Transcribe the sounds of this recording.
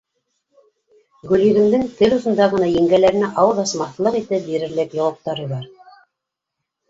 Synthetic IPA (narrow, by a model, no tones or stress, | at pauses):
ɡɵlɵ̆ðɘ̆md̪ɘŋt̪ɘlŏsɤ̆nd̪ɑʁɤ̆nɑjɘ̆ŋɡælæɾɘ̆næʔɑwɤðɑsmɑθlˠɤqit̪ɘp̚biɾɘ̆ɾlɘkjŏwɤ̆q̚t̪ɑɾɤβɑɾ